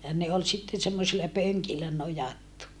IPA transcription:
jɑ ne ol sitːen semːosilɑ pøŋkilːæ nojɑtːu

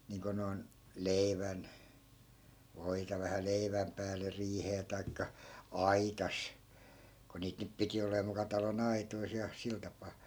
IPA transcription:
niːŋko noi̯n leiʋæn ʋoitɑ ʋæhæ leiʋæm pæːle riːheː tɑi̯kːɑ ɑitɑs ko niːt nyp piti oleː mukɑ tɑlon ɑitois jɑ sil tɑpɑː

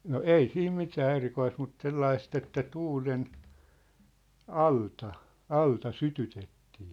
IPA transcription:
no ei siːm mitæː erikoist mut selːɑist etːæ tuːlen ɑltɑ ɑltɑ sytytetːiː

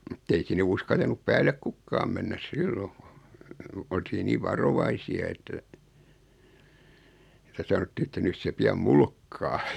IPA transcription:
mŭtː ei sinːe uskɑltɑnup pæːlˑe kukːɑːm menːæs silːo oltiː niːʋ ʋɑroʋɑisiɑ etːæ etːæ sɑnotːiː etːæ nys se piɑm mulkːɑː

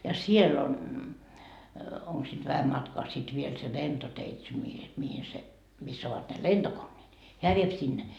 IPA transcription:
jɑ sielː on oŋk siːt ʋæhæm mɑtkɑː sit ʋiel se lentoteitse mihi mihi se misː oʋɑt ne lentokonːeːt heæ ʋiep sinːe

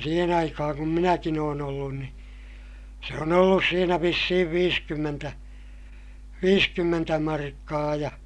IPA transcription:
siːhen ɑikɑhɑŋ kum minækin oːn olːun ni se on olːus siːnæ ʋisːihiʋ ʋiːskymːentæ ʋiːskymːentæ mɑrkːɑː jɑ

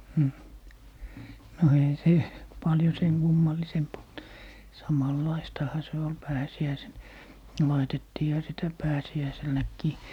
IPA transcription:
hmh no eihæ se pɑljo seŋ kumːɑlːisemp olt sɑmɑlːɑistɑhɑ se ol pæːsiæisen lɑitetːiːhɑ sitæ pæːsiæiselnækːiː

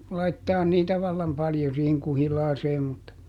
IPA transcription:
lɑitːɑːn niːtæ ʋɑlːɑm pɑljo siːheŋ kuhilɑːseːm mutːɑ

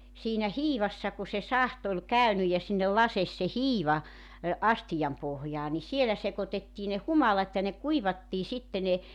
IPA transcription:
siːnæ hiːʋɑsːɑ ku se sɑht ol kæynyj jɑ sinːel lɑses se hiːʋɑ ɑstijɑm pohjɑː ni sielæ sekotetːiː ne humɑlɑt jɑ ne kuiʋɑtːiː sitːe ne

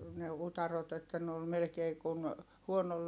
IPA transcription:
ne utɑrot etːæ ne ol melĕkeː kun huonol

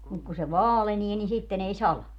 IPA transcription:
muk ku se ʋɑːlenie ni sitːen ei sɑlɑ

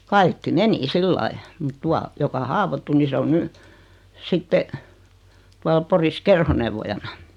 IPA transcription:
kɑikːi meni silːɑi mut tuɑ jokɑ hɑːʋotːu ni se on ny sitːe tuɑl poris kerhoneʋːojɑnɑ

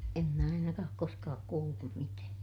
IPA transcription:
em mæ ɑinɑkɑː oːk koskɑːk kuːlːum mitæː

